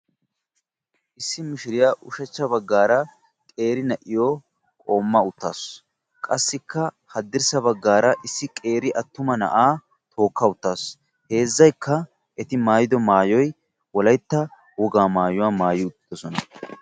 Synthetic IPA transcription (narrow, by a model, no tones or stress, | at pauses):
ʔɪsːɪmɪʃɪɾɪjaʔʊʃɛt͡ʃːɐbɐɡːaːɾɐ | kʼe̞ːɾɪnɐʔɪjo | kʼoːmːɐʊt̪ːaːs | kʼɐsːɪkːɐ | hɐd̪ːɪɾsɐbɐɡːaːɾɐʔɪsːɪkʼe̞ːɾɪʔɐt̪ːʊmɐnɐ̰ʔaː | t̪ʰo̞ːkːɐʊt̪ːaːs | he̞ːzːɐjkːɐ | ʔɛt̪ɪmaːjɪd̪ɔmaːjɔj | wɔlɐjt̪ːɐ | wɔɡaːmaːjʊwaːmaːjɪʊt̪ʼːɪd̪̥ɔsɔnɐ